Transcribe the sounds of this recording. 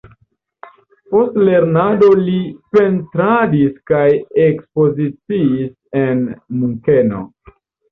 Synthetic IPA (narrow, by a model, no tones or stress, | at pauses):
po̞stle̞ɾnado̞lipe̞ntɾadiskajekspo̞zit͡siːs | e̞nmuŋkeno̞̰